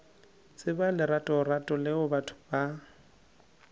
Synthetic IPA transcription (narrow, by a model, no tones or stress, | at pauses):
t͡sʼɪbalɪɾatʼɔratʼɔlɪʊbatʰʊ̥ba